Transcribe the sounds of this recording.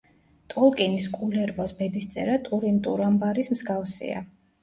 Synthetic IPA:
t̪ʼɔlˠkʼiniskʼulɛɾvɔsbɛd̪ist̪sʼɛ̰ɾat̪ʼuɾint̪ʼuɾambaɾismzɡafsḭa̰

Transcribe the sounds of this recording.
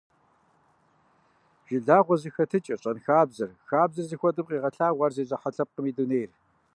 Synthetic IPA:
ʒ̥ɪɮaːʁʷɔzixɐtʰɨt͡ʃʼɪrɕʼɐnxaːbzɨrxaːbzɨrzixʷɔdɨmqiːʁɐɬaːʁʷɐrzeːʑʼɐħɐɬɐp̚qəmiːduneːjr

